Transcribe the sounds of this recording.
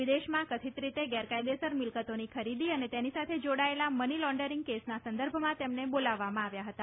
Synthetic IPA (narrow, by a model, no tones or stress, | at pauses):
ʋid̪eʃmãkət̪ʰit̪ɾit̪eɡɛɾkajd̪esəɾmɪlkət̪onikʰəɾid̪iənet̪enisat̪ʰed͡ʒoɽaelamənilɔ̃ɳɖəɾĩŋɡkesnasənd̪əɾbʱmãt̪emnebolaʋːamãaʋjaɦət̪a